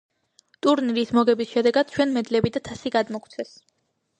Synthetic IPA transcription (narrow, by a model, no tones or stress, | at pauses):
t̪ʼuɾniɾismɔɡɛbisʃɛd̪ɛɡad̪̥̚t͡ʃʰwɛnmɛd̪lɛbid̪at̪ʰasiɡad̪mɔkʰt̪sʰɛs